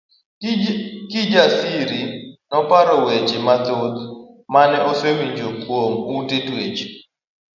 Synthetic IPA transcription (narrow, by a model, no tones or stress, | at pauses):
kɪd͡ʒasiɾinɔpaɾɔwet͡ʃɪmat̪ot̪ | manɛʔɔsewiɲd͡ʒokwomutetwet͡ʃi̥